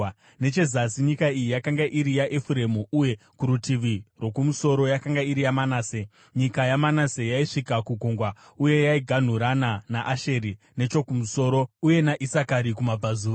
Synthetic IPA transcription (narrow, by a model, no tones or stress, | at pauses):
ne̞t͡ʃe̞zasiɲikaijijakaŋɡaʔiɾijaʔefuɾe̞muʔuje̞ | kuɾutiʋirwo̞kumuso̞ɾo̞jakaŋɡaiɾijamanaːse̞ | ɲikajamanase̞jaiʂikakuɡʱoŋɡwa | uje̞jaiɡʱan̤uɾananaʔaʃe̞ɾi | ne̞t͡ʃo̞kumuso̞ːɾo̞uje̞naʔisakaɾikumabʱazuːa